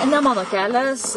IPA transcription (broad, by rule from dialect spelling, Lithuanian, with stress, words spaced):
nʲɛ ˈmɑːnoː ˈkʲæːlʲɛs